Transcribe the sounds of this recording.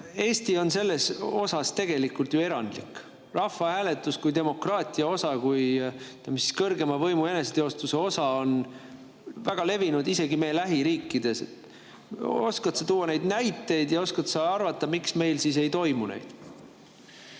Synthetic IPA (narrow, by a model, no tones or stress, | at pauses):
e̞ːst̪io̞nse̞lːe̞so̞sɑst̪e̞ɡ̥e̞likˑult̪jue̞ɾɑnd̪lik | rɑfːɑhæːle̞t̪ːˑuskujd̪e̞mo̞krɑːt̪ˑiɑo̞sɑkujt̪æmisi̥skɤrɡe̞mɑvɤ̞jmue̞ne̞set̪e̞o̞st̪use̞o̞sɑo̞n | væɡ̥ɑle̞vinud̪ise̞ɡime̞jlæɦiɾiːkːˑid̪̥e̞se̞t̪ː | o̞̰skɑt̪sɑt̪uːwːɑne̞jd̪næjt̪ːˑe̞jd̪jɑo̞skɑt̪sɑɑrvɑt̪ːˑɑmiksme̞jlsise̞jt̪o̞jmunḛjd̪̥